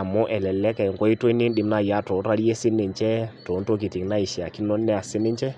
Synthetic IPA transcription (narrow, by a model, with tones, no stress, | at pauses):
a˨mɔ˦ʔɛ˨lɛ˨lɛ˦kɛ˨ŋɡɔ˦i˦to˦i˦nɪ˦nɗɪ˨˦mna˦˨ja˦to˨˦ɾa˦ɾje˦sɪ˦nːɪ˨ɲt͡ʃɛ˦to˨˦nto˦k̬i˨tɪ˨ŋna˦i˨ʃɛ˨a˨ki˦nɔ˦nːɛ˦a˨sɪ˦nɪ˦ɲt͡ʃɛ˦